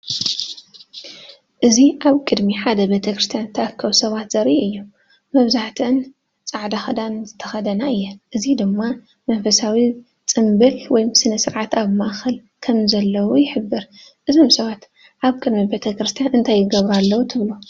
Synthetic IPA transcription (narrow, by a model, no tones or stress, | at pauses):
ʔɨziʔaβkʼɨd̪miħad̪ɐbet̪ʰɐkɾɨst̪ʰjant̪ʰɐʔakʰːɐwusɐβat̪zɐɾiʔɨjːu | mɐβzaħt̪ʰɨɨn | t͡sʼaʕd̪axɐd̪anzɨt̪ʰːɐxɐd̪ɐnaɨjːɛʔɨzid̪ɨmːa | mɐnfɐsawi | t͡sʼɨmbɨlwɔjmsɨnɐsɨɾʕat̪aβmaʔxɐl | kʰɐmzɐlːɐwujɪħɨbːɨɾʔɨzomsɐβat̪ | ʔaβkʼɨd̪mibet̪ʰɐkɾɨst̪ʰijanʔɨnt̪ʰajːɪɡɐβɾalːɐwut̪ʰɨβlu